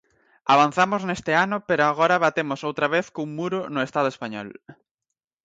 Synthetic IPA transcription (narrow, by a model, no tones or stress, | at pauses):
aβ̞an̟θamoznest̪eanʊpeɾoaɣ̞ɔɾaβat̪emosowt̪ɾaβeθkuŋmuɾʊnʊest̪að̞ʊespaɲɔ̰l